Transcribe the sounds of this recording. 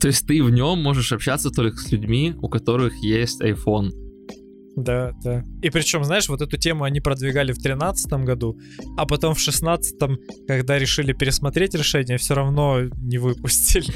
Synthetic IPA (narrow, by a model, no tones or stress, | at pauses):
t̪o̞ɪsʲtʲt̪ɨvnʲomːo̞ʐɨʂɐpɕat̪sət̪o̞lʲkə̥sʲlʲʉdʲmʲiʊ̰kɐt̪o̞ɾɨxjesʲtʲɐjfo̞n | d̪ad̪̥aipɾʲɪt͡ɕo̞mznaɪʂvo̞t̪ɛt̪ʊtʲemʊɐnʲipɾəd̪vʲɪɡalʲɪft̪ɾʲɪn̪at̪sɨ̥t̪əmɡɐd̪u | ɐpɐt̪o̞mfʂɨsnat̪sɨ̥t̪əmkɐɡd̪aɾʲɪʂɨlʲɪpʲɪɾʲɪsmɐt̪ɾʲetʲɾʲɪʂɛnʲɪjəfsʲoɾɐvno̞nʲɪvɨpʊsʲtʲɪlʲɪ